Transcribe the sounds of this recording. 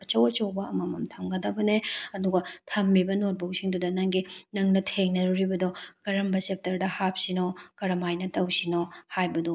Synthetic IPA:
ɐt͡ʃɐwɐt͡ʃɐwbɐɐmɐmɐmtʰɐmɡɐdɐbɐneɐduɡɐtʰɐmːibɐnot̚bɐɡsiŋdudɐnɐŋɡinɐŋnɐtʰeŋnɐɾuɾibɐdɔkɐɾɐmbɐsep̚tɐɾdɐhap̚sinokɐɾɐmajnɐtɐwsinohajbɐdɔ

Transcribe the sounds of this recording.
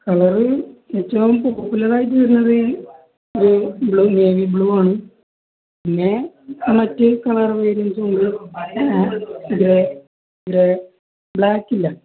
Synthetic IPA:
kɐɭɐrɨetːɐʋumpoːpːulɐraːjitːɨtɐɾunːɐðɨ | oɾubɭuːmeːʋibɭuːaːɳɨ | pinːe | mɐtːɨkɐɭɐrʋɐjɾint̪oɳɖɨ | iðɾe | iðiɾe | bɭaːkːilːɐ

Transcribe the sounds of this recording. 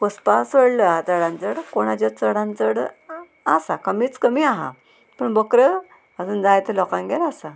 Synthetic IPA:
kospasʋəɽləat͡səɽãnt͡səɽkoɽ̃at͡ɕat͡səɽãnt͡səɽ | asakəmiːt͡skəmiaɦã̰ | pəɳbəkɾə | əd͡zuːnd͡zajt̪elɔkãnɡɛlasa

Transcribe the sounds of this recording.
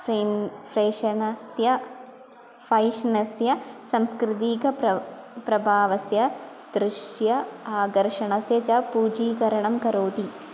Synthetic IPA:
fɾinfɾeːʂɐnɐsjɐ | fɐjʂnɐsjɐsɐmskɾɪt̪iːkɐpɐpɾɐbʱaːʋɐsjɐ | d̪̥ɾɪʂjɐaːɡɐɾʂɐɳɐsjɐt͡ʃɐpuːd͡ʒiːkɐɾɐɳɐmkɐɾoːd̪i

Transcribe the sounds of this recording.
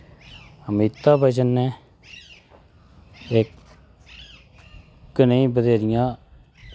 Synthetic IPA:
əmit̪ːaːbəd͡ʒənːẽː | ek | kːnəĩːbəd̪eːɾɪjãː

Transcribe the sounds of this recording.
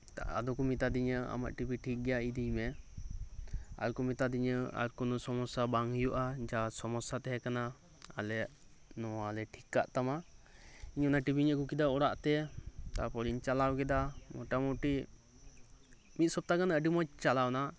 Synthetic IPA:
t̪a̰ʔa̰d̪ɔkɔmit̪ad̪iɲəa̰ma̰ʔʈibiʈʰik̚ɡɛjaid̪ijmɛ | a̰ɾkɔmit̪ad̪iɲəa̰ɾkɔnɔsɔmɔsabaŋjuʔad͡ʒasɔmɔsat̪ɛɦɛkana | a̰lɛʔ | nɔwalɛʈʰikːa̰ʔt̪ama | iɲɔnaʈibiɲəʔkukid̪aɔɽaʔt̪ɛt̪apɔɾiɲt͡ʃalawkɛd̪amɔ̰ʈamɔwʈi | mit̪̚sɔp̚t̪akanaəɖimɔt͡ʃt͡ʃalawna

